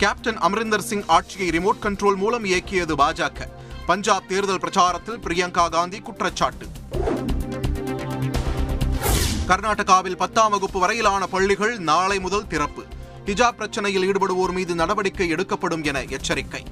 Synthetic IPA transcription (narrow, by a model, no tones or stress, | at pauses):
kaːp̚ʈɐnɐmɾɪnd̪ɐɾsɪŋɡaːʈ̚t͡ʃɪjɐɪɾɪmoːʈ̚kɐɳʈɾoːlmuːlɐmeːkːɪjɐðɯbaːd͡ʒaːkːɐ | pɐɲd͡ʒaːb̚t̪eːɾɯðɐlpɪɾɐt͡ʃaːɾɐt̪ːɪlpɾɪjɐŋkaːɡaːnd̪ikʊʈrɐt͡ʃːaːʈːɯ | kɐɾnaːʈːɐɣaːʋɪlpɐt̪ːaːmɐɣɯpːɯʋɐɾɐjɪlaːnɐpɐɭːɪɣɐɭnaːɭɐɪmʊðɐlt̪ɪɾɐpːɯ | hɪd͡ʒaːp̚ːɾɐt͡ʃːɐnɐjɪliːɽɯpɐɽɯʋoːɾmiːðɯnɐɽɐʋɐɽɪkːɐɪɛɽɯkːɐpːɐɽɯmɛnɐɛt͡ʃːɐɾɪkːɐɪ